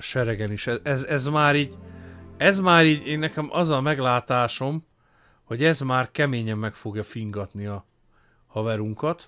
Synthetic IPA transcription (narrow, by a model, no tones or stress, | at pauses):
ʃɛɾɛɡɛniʃɛɛzɛzmaːɾiːɟ | ɛzmaːɾiːɟeːnːɛkɛmʔɒzɒmɛɡlaːt̪aːʃo̞m | ho̞ɟɛzmaːrkɛmeːɲɛmːɛkfo̞ɡjɒfiŋɡɒt̪niɒ | hɒvɛɾuŋkɒt̪